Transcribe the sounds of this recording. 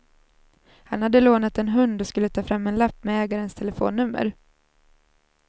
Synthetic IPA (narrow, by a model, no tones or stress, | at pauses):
hanhad̪ːəloːnat̪ɛnɦɵnd̪ɔskɵlːət̪ʰɑːfɾamːɛnlapːmɛɛːɡaɾənst̪ʰɛləfo̰ːnːɵmːə̰ɾ